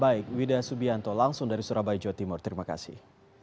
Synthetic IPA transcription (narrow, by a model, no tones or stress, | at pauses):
baɪk̚widasubiant̪ɔlaŋsʊŋdaɾisuɾabaid͡ʒɔwat̪imʊrt̪ɾimaka̰sɪ̰h